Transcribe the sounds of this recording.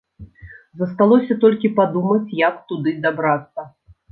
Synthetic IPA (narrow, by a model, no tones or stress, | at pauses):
zɐst̪alˠɔsʲɐt̪ɔlʲkʲipad̪umɐt͡sʲjɐkt̪ud̪ɨd̪abɾat̪sːɐ